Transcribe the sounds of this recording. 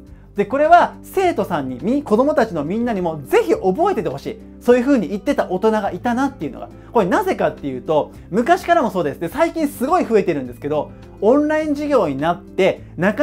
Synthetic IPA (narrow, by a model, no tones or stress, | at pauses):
d̪̥e̞ko̞ɾe̞βase̞ːt̪o̞sãɲ̟ːimʲiko̞d̪o̞mo̞t̪at͡ɕino̞mʲĩnːaɲ̟imo̞ze̞çiʔo̞bo̞e̞t̪e̞t̪e̞ho̞ɕḭː | soːjɯ̟ɸɯ̟ːɲ̟iit̪ːe̞t̪aʔo̞t̪o̞naɡait̪anat̪ːe̞iɯ̟̰noɡa̰ | ko̞ɾenaze̞kat̪ːe̞jɯ̟ːt̪o̞ | mɯ̟kaɕi̥kaɾamo̞so̞ːd̪e̞sɨ̥t̪ːe̞saikʲĩɰ̃sɨɡo̞iɸɯ̟e̞t̪e̞ɾɯ̟̃nd̪esɨ̥ke̞d̪o̞ | õnɾaĩɲ̟d͡ʑiɡʲo̞ːɲ̟inat̪ːe̞ | naka